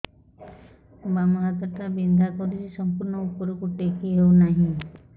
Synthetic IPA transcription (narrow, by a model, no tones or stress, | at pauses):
ubamɔɦat̪ɔʈ̪abind̪ʱakɔɾiɾisɔmpuɾɳɔupɔɾɔkuʈekʰiɦewnaɦĩ